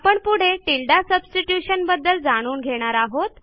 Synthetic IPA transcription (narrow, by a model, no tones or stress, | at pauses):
apəɳpuɽ̤eʈilɖasəbsʈiʈjuɕənbəd̪ːəld͡zaɽ̃uːnɡʱeɽ̃aɾaɦot̪